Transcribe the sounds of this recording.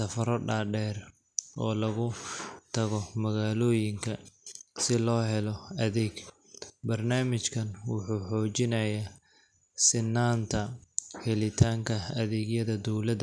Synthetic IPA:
sɐfɐɾɔɖaːɖɛːr | ʔɔːlɐɣʊt̪ʰɐɣɔmɐɣaːlɔːjɪŋkʰɐsɪlɔːɦɛlɔɐðɛːɡ | bɐrnaːmɪt͡ʃkʰɐnwʊ̰ħuːħɔːt͡ʃɪnɐja | sɪnːaːnt̪ʰɐhɛlɪt̪ʰaːŋkʰɐɐðɛːɡjɐðɐd̪ɔwlɐd̪ɐ

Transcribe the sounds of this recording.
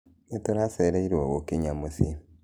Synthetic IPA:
etoɾaseɾeiɾowokeɲamosi

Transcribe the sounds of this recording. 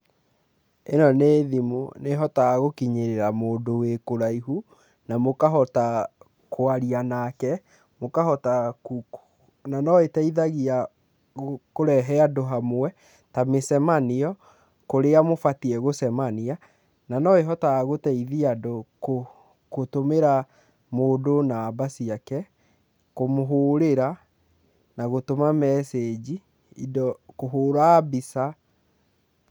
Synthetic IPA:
enɔneːðimuneɦɔtaaɣokiɲeɾeɾamoːndowekoɾaiɦu | namokaɦɔta | koaɾianakɛ | mokahɔtakuku̥ | nanɔetɛiðaɣia | koɾɛɦɛadoɦamwɛ | tamesɛmaniɔ | koɾeamofatiɛɣosɛmania | nanɔeɦɔtaɣotɛiðiadoko | kotomeɾa | moːdonaːbasiakɛ | komoɦoːɾeɾa | naɣotomamɛsed͡ʑi | idɔkoɦoːɾabisa

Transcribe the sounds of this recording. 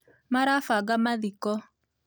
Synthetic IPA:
maɾafaɡamaðikɔ

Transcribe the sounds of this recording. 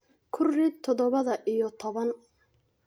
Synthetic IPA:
kʰʊrːɪt̪ʰːɔðɔβɐðɐʔijɔt̪ʰɔβɐn

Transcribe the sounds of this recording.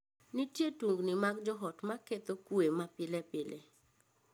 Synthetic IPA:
nitjetuŋɡnimaɡd͡ʒɔɦɔtmaket̪okwemapɪlɛpɪle

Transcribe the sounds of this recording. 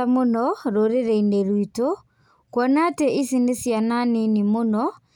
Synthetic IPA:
amonɔɾoɾeɾɛineɾwito | kwɔnatɛʔisinesjananenimonɔ

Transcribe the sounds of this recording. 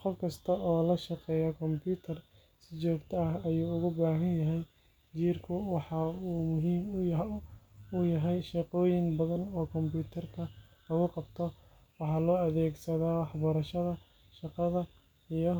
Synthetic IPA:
qɔfkʰɐst̪ʰɐʔɔːlɐʃɑqɛːjɐkʰɔmpʰuːt̪ʰɐr | sɪt͡ʃɔːɡt̪ʰɐɐɦɐjuːʊɣʊbaːɦɐnjɐɦɛj | t͡ʃiːrkʰʊwɑħɑuːmʊɦiːm | ujɐɦɛjʃɑqɔːjɪŋbɐðɐnɔːkʰɔmpuːt̪ʰɐrkʰɐ | lɐɣʊqɑbt̪ʰɔ | wɑħɑːlɔːɐðɛːɡsɐðaːwɑħbɐɾɐʃɐðɐ | ʃɑqɑðɐ | ijɔ

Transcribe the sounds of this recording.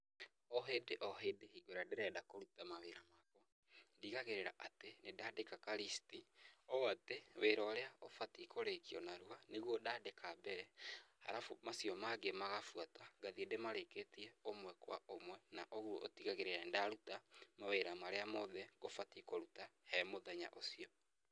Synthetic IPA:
ɔɦedeʔɔɦedehiɡoɾadeɾɛdakoɾutamaweɾamakɔ | ndiɣaɣeɾeɾa̰ʔatenedaːdekakaɾistiɔateweɾɔːɾeaofatikoɾekiɔ̰naɾuaneɣwodadekʰabɛɾɛha̰ɾafomasjɔmaɡemaɣafwataɡaðiedemaɾeketiɛomwɛkwa̰omwɛnaʔoɣuoʔo̰tiɣaɣeɾeɾadaɾutamaweɾamaɾeamɔðɛɣofatikoɾutahɛmoðɛɲa̰ʔosiɔ

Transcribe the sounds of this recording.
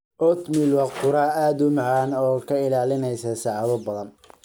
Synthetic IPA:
ʔɔt̪milwɑqt̪qʊɾaːaːd̪ʊmɑʕaːnɔːkʰɐɪlaːlɪnɛjsɐsɑʕɑβɐbɐðɐn

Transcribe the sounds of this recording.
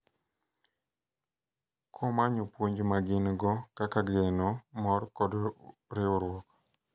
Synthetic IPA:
kʰɔmaɲopwoɲd͡ʒmaɡɪnɡɔkakaɡɛnɔmɔrkɔdɾɪoɾwɔk

